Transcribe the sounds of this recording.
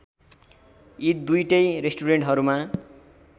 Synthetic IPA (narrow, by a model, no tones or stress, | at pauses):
it̪̚d̪ujʈʌjresʈuɾeɳʈɦʌɾuma